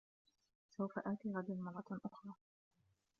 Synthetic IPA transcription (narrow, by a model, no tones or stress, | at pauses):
sawfaʔaːt̪iːɣɑd̪ɪlmɑrˤːɑʔʊxɾˤɑː